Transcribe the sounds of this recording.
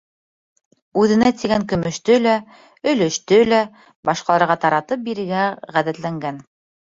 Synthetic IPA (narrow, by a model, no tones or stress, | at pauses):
ʉðɘ̆næt̪iɡæŋkɵ̆mɵ̆ʃt̪ɵlæ | ɵ̆lɵ̆ʃt̪ɵlæ | bɑʃqɑlˠɑɾʁɑt̪ɑɾɑt̪ɤp̚biɾɘ̆ɡæʁæðæt̪læŋɡæn